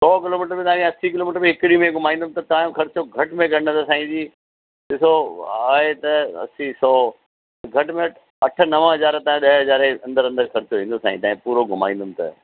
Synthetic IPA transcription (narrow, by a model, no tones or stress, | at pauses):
sɔːkɪloːmɪːʈəɾbĩt̪aːɾĩɐsikɪloːmɪʈəɾbĩɦɪkɾimẽɡʱʊmaːĩːnd̪ʊm̆t̪ɐt̪ãːjõxɐɾɪt͡ɕoɡʱɐʈmẽɡʱɐə̃osãːĩd͡ʑiː | ɗɪsoaːɦet̪ɐɐ̰sisɔː | t̪ɐɡʱɐʈmẽɐʈ | ɐʈ̆ʰnɐʋə̃ɦɐzaːɾt̪ãːɗɐɦɦɐzaːɾeɐ̃nd̪əɾɐ̃nd̪əɾxɐɾɪt͡ɕoʋĩːn̆d̪oːsã̰ːĩt̪ãːĩpuːɾoɡʱʊma̰ːĩːnd̪ʊmt̪ɐ̰